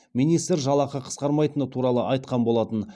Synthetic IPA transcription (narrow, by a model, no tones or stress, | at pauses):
minijst̪ɾʒɑlˠɑqɑqʰə̥sqɑɾmɑjt̪ənət̪ʰuɾɑlˠəʔɑjt̪̚qɑnbo̞lˠɑt̪ən